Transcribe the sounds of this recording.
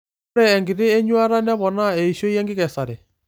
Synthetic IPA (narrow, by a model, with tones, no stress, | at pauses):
ɾɛː˦˨ŋɡi˨ɾe˦e˦ɲwa˦ɾa˦nɛ˦βɔ˨na˦e˨i˨ʃo˦jɛ˦ŋɡi˦ɣɛ˨sa˨ɾɛ˨